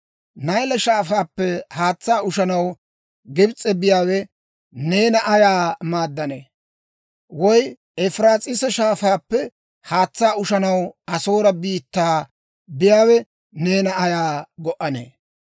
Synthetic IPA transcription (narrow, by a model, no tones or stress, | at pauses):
nɐjlɐʃaːfaːpːɛhaːt͡sːaːʊʃɐnɐw | ɡɪbt͡sʼːɛbɪjaːwɛ | ne̞ːnɐʔɐjaːmaːd̪ːɐneː | wɔj | ɛfɾaːt͡sʼɪsɐʃaːfaːpːɛ | haːt͡sːaːʊʃɐnɐwɐso̞ːɾɐbiːt̪ːaː | bɪjaːwɛ | ne̞ːnɐɐjaːɡɔʔɐnḛː